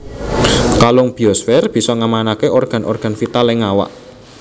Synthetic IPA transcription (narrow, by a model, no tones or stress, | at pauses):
kalʊŋb̥i̤ɔsfɛrb̥i̤sɔŋamanakeɔrɡ̥a̤nʔɔ̰rɡ̥ä̤nfit̪alɛŋawa̰ʔ